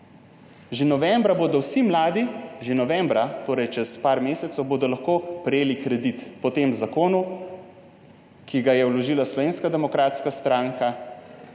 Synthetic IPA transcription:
ʒenɔʋɛmbɾaboːd̪ɔwsimlaːd̪iʒenɔʋɛmbɾat̪oːɾɛjt͡ʃɛspaːɾmeːsɛt̪sɔwboːd̪ɔlaxkoːpɾɛjeːlikɾɛd̪it̪pɔt̪emzakoːnu | kiɡajɛwlɔʒilaslɔʋeːnskad̪ɛmɔkɾaːt̪skast̪ɾaːŋka

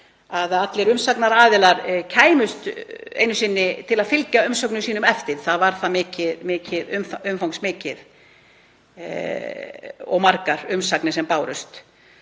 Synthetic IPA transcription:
aðat̪lɛɾʏmsaknaɾaːðɪlaɾcʰaːjmʏst̪ḛːjnʏsɪnːɪt̪ʰɪlaðfɪlcaʏmsœwknʏsiːnʏmɛft̪ɪðθaðvaɾ̥θaðmɪːcɪðmɪːcɪðʏmfʏmfawŋksmɪːcɪð | ɔ̰ɣmaɾkaɾʏmsaknɪsɛmpaːwɾʏst̪

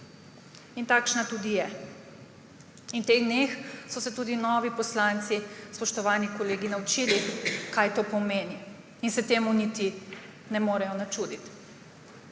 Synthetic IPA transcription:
int̪aːkʃnat̪ud̪ijɛ | int̪eɣd̪nexsɔsɛt̪uːd̪inɔːʋipɔslant̪sispɔʃt̪ɔʋaːnikɔleːɡinaut͡ʃilikajt̪oːpɔmeːni | insɛt̪eːmunit̪i | nɛmoːɾɛjɔnat͡ʃud̪it̪

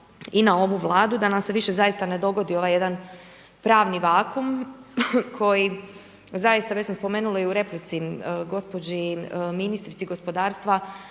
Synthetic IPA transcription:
inao̞ʋuʋlˠaːd̪ud̪anamse̞ʋiʃe̞zajist̪ane̞d̪o̞ɡo̞d̪io̞ʋaːje̞d̪an | pɾaːʋniʋaːkum | kʰo̞ji | zajist̪aʋe̞t͡ɕsamspo̞meːnulaiuɾe̞plit̪siɡo̞spo̞d͡ʑiminist̪ɾit̪siɡo̞spo̞d̪aːɾst̪ʋa

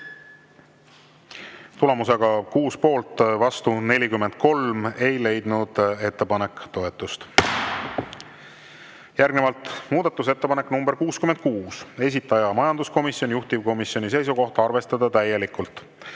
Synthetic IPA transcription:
t̪ule̞museɡ̥ɑkuːspo̞ːlt̪ːvɑst̪une̞lʲikymːend̪̥̚ko̞lme̞jle̞jd̪̥nud̪̥e̞t̪ːe̞pɑne̞kːˑt̪o̞et̪ːˑust̪ | jærɡne̞vɑlt̪ˑmuːd̪̥ɑt̪ːˑus̬e̞t̪ːe̞pɑne̞knumb̥e̞ɾkuːskymend̪̥̚kuːse̞s̬ʲit̪ːˑɑjɑmɑjɑnd̪̥usko̞misionjuht̪ivko̞misjo̞nʲis̬e̞jsuko̞ht̪ɑrve̞st̪ɑd̪ɑt̪æje̞likult̪ˑ

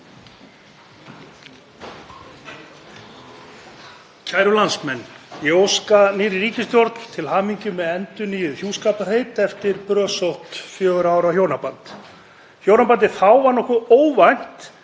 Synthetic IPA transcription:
cʰaːjɾʏlansmɛnːjoowskaniːɾɪɾiːcɪst̪jɔɾt̪l̥t̪ʰɪlhaːmiɲcʏmɛðɛnt̪ʏniːjʏðhjuːskaːplar̥eːjt̪ɛft̪ɪɾpɾœːsowht̪fjœːɣʏɾaːwɾawhjoːwnapant̪ | hjownapant̪̬ɪθawvaɾnɔhkʏoːwvajn̥t̪

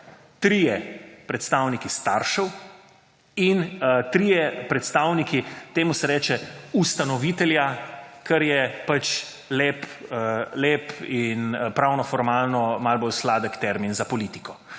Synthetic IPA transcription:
t̪ɾiːjɛpɾɛt̪st̪awnikist̪aɾʃəw | int̪ɾijɛpɾɛt̪st̪aːwnikit̪eːmusɛɾɛːt͡ʃɛust̪anɔʋiːt̪ɛljakɐɾjɛpat͡ʃ | leːp | leːpinpɾaːwnɔfɔɾmaːlnɔmalbolslaːd̪əkt̪ɛɾminzapɔlit̪i̥kɔ

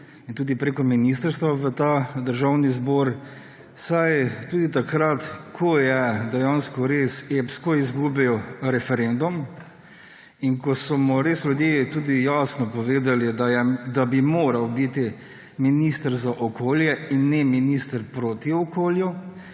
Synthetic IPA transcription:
int̪uːd̪ipɾekɔminist̪əɾst̪ʋaʋət̪ad̪əɾʒawnizbɔːɾ | sajt̪uːd̪it̪akɾat̪kʰɔjɛd̪ɛjanskɔɾesepskɔizɡuːbɛjɔɾɛfɛɾend̪um | inkɔsɔmɔɾeːslʲjud̪jeːt̪uːd̪ijasnɔpɔʋeːd̪alid̪jɛd̪abimoːɾɐwbit̪i | minist̪əɾzaʔɔkoːljɛinːɛminist̪əɾpɾoːt̪iɔkoːlju

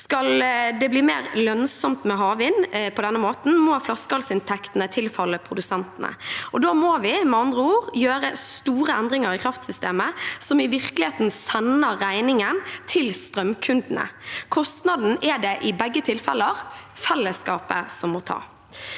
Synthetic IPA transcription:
skɑld̪ɛblɪːmeːɾlœnsɔmt̪mɛɦɑːʋɪːnpʰɔd̪ɛnːəmoːt̪n̩mɔflɑskɑlsɪnt̪ʰɛkt̪ənət̪ʰɪlfɑlːəpʰɾʊd̪ʉsɛnt̪ənə̰ʔɔd̪omɔːʋɪmɛɑnd̪ʁəuːʁjøːɾəst̪uːɾəɛnd̪ɾɪŋəɾɪkʰɾɑft̪sʏst̪eːməsɔmɪʋɪɾklɪheːt̪n̩sɛnəɾːæɪnɪŋənt̪ʰɪlst̪ɾʁœmkʰʉnd̪nə̰kʰɔst̪nɑd̪n̩ɛɖɛʔɪbɛɡːət̪ʰɪlfɛ̰lːəɾfɛlːəskɑːpə̰sɔmːɔt̪ʰɑ̰ː

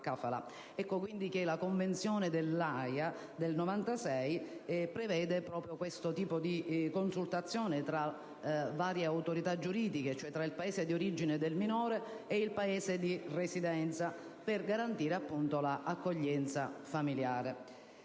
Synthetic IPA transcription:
kafala̰ | ɛkːok̬wind̪ik̟elakoɱvent̪sjɔːned̪elːaja | d̪elnovant̪asɛjpɾevɛːd̪epɾɔːpɾjokwest̪ot̪iːpod̪ikonsult̪at̪sːjɔːnet̪ɾa | vaːɾjeawt̪oɾit̪ad͡ʒːuɾiːd̪iket͡ʃoɛt̪ːɾailpaeːsed̪ioɾid͡ʒined̪elminɔːɾeː | ilpaeːsed̪iresid̪ɛnt̪sa | perɡaɾant̪iːɾeapːunt̪olaʔakːoʎːɛnt̪safamiljaːɾe

